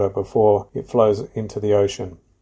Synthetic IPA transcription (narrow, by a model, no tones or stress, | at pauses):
əbɪfɔːɹɪtfləʊzɪ̃ntʰuðiəʊʃə̃n